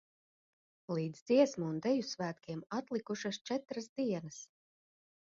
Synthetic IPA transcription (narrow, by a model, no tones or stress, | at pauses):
lˠiːd̪zd̪ziɛsmuːnd̪ɛjusvæːt̪kʲiɛmat̪lˠikuʃast͡ʃɛt̪ɾasd̪iɛnɐs